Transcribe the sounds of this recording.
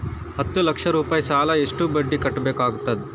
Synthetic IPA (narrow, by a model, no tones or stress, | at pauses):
hɐt̪ːəlɐkʂəɾuːpajsaːlaeʂʈuːbəɖːiːkɐʈbekaɡt̪at̪̚